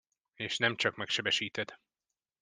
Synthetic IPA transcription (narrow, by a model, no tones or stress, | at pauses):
eːʃnɛmt͡ʃɒkmɛkʃɛbɛʃiːt̪ɛd̪̥